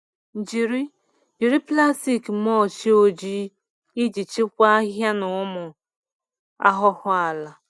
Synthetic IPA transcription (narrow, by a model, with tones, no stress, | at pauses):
n̩˨d͡ʒi˨ɾi˦ | d͡ʒi˨ɾi˦pla˦si˨kmɔ˦˨t͡ʃi˦o˨d͡ʒi˦ | ɪ˦d͡ʒi˨t͡ʃi˦kʷa˦ɦja˦nʊ˨ʊ˦mʊ˨ | a˦ɦʊ˦hʊ˦a˨la˨